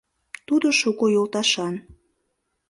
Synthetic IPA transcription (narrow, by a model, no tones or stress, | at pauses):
t̪ud̪oʃukojolt̪ɑʃɑn